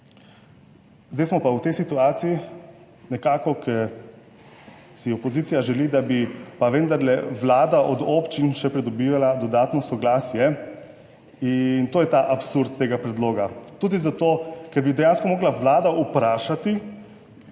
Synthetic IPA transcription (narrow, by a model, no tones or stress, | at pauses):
zd̪ejsmɔpawt̪ɛjsit̪uaːt̪sii | nɛkaːkɔkʰɛɾ | siɔpɔziːt̪sijaʒɛlid̪abipaʋend̪aɾlɛʋlaːd̪aʔɔd̪oːpt͡ʃinʃɛpɾɛd̪ɔbiːʋalad̪ɔd̪aːt̪nɔsɔɡlaːsjɛ | int̪oːjɛt̪aʔapsuɾt̪ːeːɡapɾɛd̪loːɡat̪uːd̪izat̪oːkɛɾbid̪ɛjanskɔmɔːɡlaʋlaːd̪aupɾaːʃat̪i